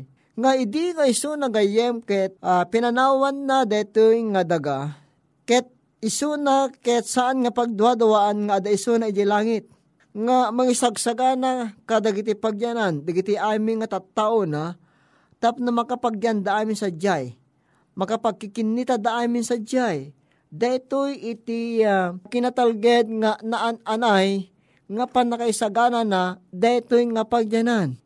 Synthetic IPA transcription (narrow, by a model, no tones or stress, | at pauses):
ŋaɪd̪iŋaɪsunaɡajɛmkɛt̪̚ʔapɪnɐnaːwanːad̪at̪ɨjŋad̪ɐɡa | kɛt̪̚ | ɪsunakɛt̪saʔanŋapaɡ̚d̪uad̪awaʔanŋaːd̪aɪsunaɪd̪ilaːŋɪt̪̚ | ŋamɐŋɪsaɡsaɡanakad̪aɡɪt̪̬ipaɡjanand̪aɡɪt̪iʔaːmɪnŋːat̪at̪ːaʔona | t̪ap̚namakapaɡjand̪aaːmɪnsad͡ʒaj | mɐkapaɡ̚kɪkɪnːit̪ad̪aʔaːmɪnsad͡ʒaj | d̪aɪt̪ʊjɪt̪ɪakɪnat̪alɡɛd̪̚ŋanaʔananaj | ŋapanːakaisaɡananad̪at̪ojŋapaɡ̚janan